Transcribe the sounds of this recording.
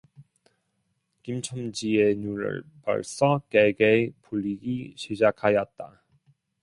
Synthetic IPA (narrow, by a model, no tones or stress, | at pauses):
kimt͡ɕʰʌmd͡ʑienuɾɯ̰ɭpʌ̰ɭs͈ʌkeɡepuʎːiɡiɕʰid͡ʑakʰajʌt̚t͈a